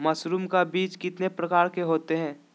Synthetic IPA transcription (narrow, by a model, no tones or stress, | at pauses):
mɐsɾuːmkabiːt͡ʃkɪt̪nepɾɐkaːɾkeɦoːt̪eɦɛ̃ː